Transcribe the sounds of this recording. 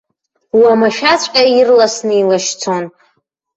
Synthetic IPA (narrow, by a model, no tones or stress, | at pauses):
wamaʃᶣat͡ɕʷʼkʲʼairlasnɨilaʃt͡sʰon